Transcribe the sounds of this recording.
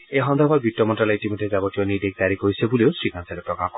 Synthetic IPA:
eɦɔnd̪ʱɔbaɾbʱiʈːɔmɔɳʈalaiʈimiʈʰed͡ʑabɔʈionid̪ek̚d̪aɾikoisʰebuleosɾikansʰalepɾɔɡap̚kɔ

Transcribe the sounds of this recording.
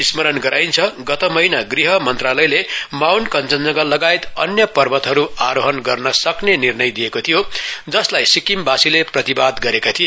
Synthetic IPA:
ismʌɾʌnɡʌɾajnt͡sʰʌɡʌt̪ʌmʌjnaɡriɦʌmʌnt̪ralʌjlemawnkʌnt͡sʌnd͡zʌɡʌlːʌɡaet̪ʌ̰njʌpʌrbʌt̪ɦʌɾuaɾoɦʌnɡʌrnʌsʌknenirnʌjd̪ijekot̪ʰijod͡zʌslajsikimbasileprʌt̪ibad̪ɡʌɾekat̪ʰijo

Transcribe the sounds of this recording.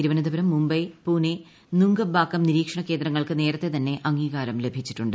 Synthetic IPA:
iɾuʋɐnɐd̪ɐbɐɾɐmːumbɐjpuːne | nuŋɡɐbʱaːkːɐmniɾiːkʂɐɳɐkːe̞ːnd̪ɾɐŋːɐɭkɨne̞ːɾɐt̪ːe̞t̪ɐnːe̞ʔɐŋːiːɣaːɾɐmle̞bʱit͡ɕːi̥ʈːuɳɖɨ

